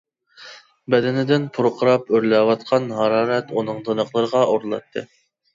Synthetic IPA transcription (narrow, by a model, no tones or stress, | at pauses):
bɛd̪ɛnɪd̪ɪnpʰuɾqʰəɾɑpøɾlɛwɑt̪̚qʰɑnɦɑɾɑːɾɛt̪unɨŋd̪ɨnəqlˠəɾəʁɑoɾlˠɑ̰t̪ʰːɨ̰